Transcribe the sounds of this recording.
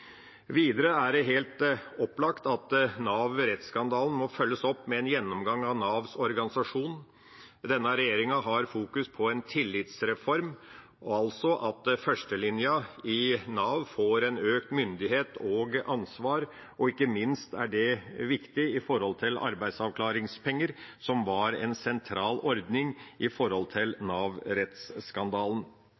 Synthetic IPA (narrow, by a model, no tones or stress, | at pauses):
ʋiːd̪əɾəæɖɛɦeːlt̪ɔpːlɑkt̪ɑt̪nɑːʋɾɛt̪skɑnd̪ɑːln̩mɔfœlːəsɔpːmɛɛnjɛnːɔmɡɑŋɑʋnɑːʋsɔɾɡɑnɪsɑʂuːn | d̪ɛnːəɾɛjeːɾɪŋɑɦɑɾfuːkʉspʰɔɛnt̪ʰɪlːɪt̪sɾɛfɔɾm | ɔɑlsɔʔɑt̪fœʂʈəlɪnjəɪnɑːʋfoːɾɛnøːkt̪mʏnd̪ɪɦeːt̪ɔːɡɑnsʋɑːɾ | ɔɪkːəmɪnst̪æ̰ɖɛʋɪkt̪ɪɪfɔɾhɔlt̪ʰɪlɑ̰ɾbæɪd̪sɑʋkʰlɑːɾɪŋspʰɛŋːəɾsɔmʋɑɾɛ̰nsɛnt̪ʰɾɑːlʔɔɾd̪nɪŋɪfɔɾhɔlt̪ʰɪlnɑːʋɾɛt̪sːkɑnd̪ɑːlən̩